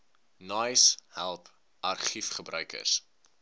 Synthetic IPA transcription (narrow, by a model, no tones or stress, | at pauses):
nɐjshælˠp | ɐrχifχəbɾœɥkə̰rs